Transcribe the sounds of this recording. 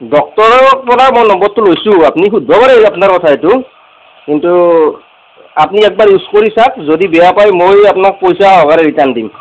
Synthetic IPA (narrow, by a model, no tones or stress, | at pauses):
dɔk̚tɔɹɔk̚pɔnamojnɔmbɔt̚tːʊlojsʊ̃apnixudʱɔbaɹɛapnaɹkɔtʰaetʊ | kintu | apniɛk̚baɹuskoɹisak̚zodibɛjapajmojapnak̚pojsaɦɔkaɾɛɹitandim